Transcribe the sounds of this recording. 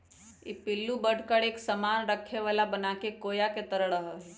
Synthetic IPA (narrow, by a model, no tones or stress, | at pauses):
epɪlːubəɽ̤ʱkəɽeːksəmaːnɾəkʰːeʋalabənakekoːjaket̪əɾəɽəɦəɦe